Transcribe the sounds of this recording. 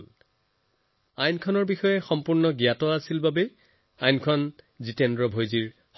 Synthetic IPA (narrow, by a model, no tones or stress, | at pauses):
l | ajnkʰɔnɔɹbixɔjɛxɔmpuɹnɔɡijatɔasilbabɛ | ajnkʰɔn | zitɛndɹɔbʱojziɹ | x